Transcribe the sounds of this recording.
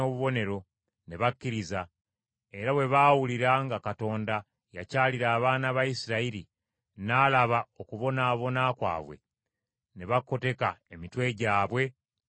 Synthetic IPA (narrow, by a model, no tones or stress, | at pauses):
oːβuβo̞ne̞ɾo̞ | ne̞βakːiɾiza | e̞ɾaβwe̞βaːwuliɾaŋɡakato̞ːnda | jacaːliɾaːβaːnaβajisiɾaiɾi | naːlaβao̞kuβo̞naːβo̞nakwa̰ːβwe̞̰ | ne̞βakːo̞te̞kae̞mitwe̞ɟaːβwe̞